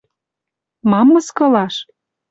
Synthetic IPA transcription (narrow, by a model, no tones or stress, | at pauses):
mɑmːɤ̆skɤ̆lɑʃ